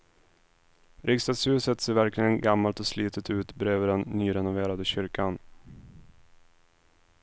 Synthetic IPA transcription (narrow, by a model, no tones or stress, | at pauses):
ɾʔɪkst̪ad̪shʉːsət̪seːɾvæɾklɪɡənɡamːalt̪ɔsliːt̪ʰət̪ʉ̟ːt̪bɾeːvəɖ̪ɛnːyːɾɛnʊveːɾad̪əɕʏɾkan